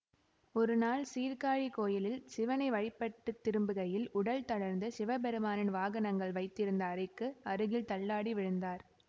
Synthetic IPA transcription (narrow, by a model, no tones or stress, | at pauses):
ɔɾɯnaːlsiːɾkaːɻikoːjɪlɪlsɪʋɐnɐɪʋɐɻɪpːɐʈːɯt̪ːɪɾɯmbɯɣɐjɪlʊɽɐlt̪ɐɽɐɾnd̪ɐsɪʋɐbɛɾɯmaːnɪnʋaːɣɐnɐŋɡɐɭʋɐɪt̪ːɪɾɯnd̪ɐːɾɪkːɯɐɾɯɣɪlt̪ɐɭːaːɽiʋɪɻɯnd̪aːɾ